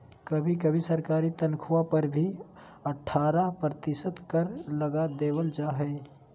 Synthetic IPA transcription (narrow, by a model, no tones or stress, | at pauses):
kɐbʱik̬ɐbʱisɐɾkaːɾit̪ɐnkʰʊwapɐɾbʱi | ɐʈʰːaːɾapɾət̪ɪʃət̪kɐɾlɐɡad̪eːwəld͡ʒaːɦɛː